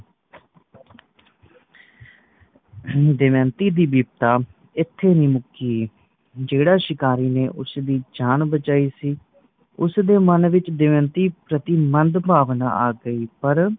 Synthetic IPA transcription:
d̪ɪmɛ̃ːnt̪iːd̪iːbiːbt̪aː | ɪt̪ʰːeːnĩːmʊkiː | d͡ʒeːɽaːʃɪkaːɾiːneːʔʊsd̪iːd͡ʒaːnbət͡ʃaːiːsiː | ʊsd̪eːmənʋɪt͡ʃd̪ɪʋɛ̃ːnt̪iːpɾət̪iːmənd̪bʱaːʋna̰ːaːɡəiːpəɾ

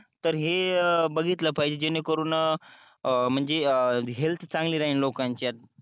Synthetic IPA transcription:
t̪əɾɦebəɡʱit̪ləpʰajd͡ʑed͡ʑenekəɾuːn | m̤əɳd͡zeɦelt̪ʰt͡sãŋɡliɾaɦiːnlokaɲt͡ɕjat̪̚

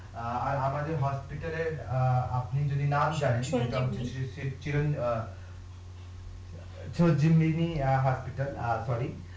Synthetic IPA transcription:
aɾamad̪eɾɦɔspiʈɐleɾapnid͡ʒod̪inamd͡ʒanenɛ̃ʈamt͡ʃʰsit͡ʃilon | t͡ʃʰod͡ʑimːiniɦɔspiʈəlsɔɾi

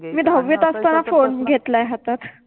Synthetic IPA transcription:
miːd̪ʱəwʋːit̪asp̪anafonɡʱet̪lajɦat̪at̪

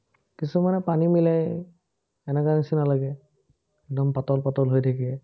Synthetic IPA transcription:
kisumanɛpanimilaj | ɛnɛkanisinalaɡɛ | ɛɡ̚dɔmpatɔlpatɔlɦojtʰakiɛ

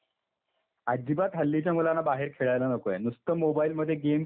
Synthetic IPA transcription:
ad͡ʑipat̪ɦəlːit͡ɕjamulanːabaɦeɾkʰeɭajlanəkojenust̪əmobailməd̪ʱjeɡem

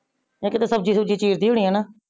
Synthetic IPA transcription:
ãːkɪt̪eːsəbd͡ʒiːsəb̚d͡ʒiːt͡ʃiːɾd̪iːɦʊːɳ̃iːɦɛːnaː

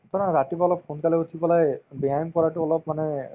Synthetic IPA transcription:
tɔnaɹatibaɔlɔp̚xunkalɛutʰibɔlajbiajmkɔɹaʈʊɔlɔp̚manɛ

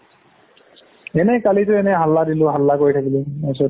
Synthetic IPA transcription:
ɛnɛkalitʊɛnɛɦalːadilʊɦalːakoɹitʰakilɛnasɔ

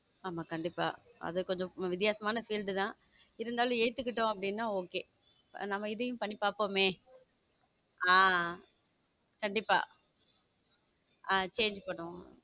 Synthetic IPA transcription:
aːmaːkɐɳɖɪpːa̰ːɐ̰ðɯkɔɲd͡ʒɔ̃ʋɪt̪̬ɪjaːsɐmaːnɐfiːlɖɯt̪ãː | ɪɾɯnd̪aːlʊ̃eːt̪ːɯkːɪʈːõɐp̬ːɐɽɪnːaːoːkeː | nɐmːɐɪðɯjʊ̃pɐɳːipaːpoːmeː | aː | kɐɳɖɪpːa̰ː | at͡ʃeːɲd͡ʒpɐɽʊ̃

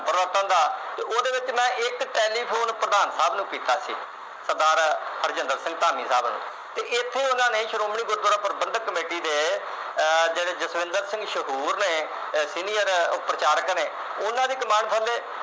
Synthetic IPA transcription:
pəɾəʋəɾt̪ə̃nd̪aːt̪eːʔoːd̪eːʋɪt͡ʃmɛ̃ːʔɪkʈɛːliːpʰoːnpɾəd̪aːnsaːbnũːkiːt̪aːsiː | səɾd̪aːɾhəɾd͡ʒənd̪əɾsɪ̃ŋɡt̪aːmĩːsaːbnṵ̃ː | t̪eːʔɪt̪ʰːeːʊnãːneːʃəɾoːmɳiːɡʊɾd̪aːɾãːpəɾəbənd̪kːəmeːʈiːd̪eː | d͡ʒeːɽeːd͡ʒəsʋɪ̃nd̪əɾsɪ̃ŋɡʃəɦuːɾneː | siːnijəɾpɾət͡ʃaːɾkneː | ʊnːãːd̪iːkəmaːɳp̪ʰə̃ld̪eː

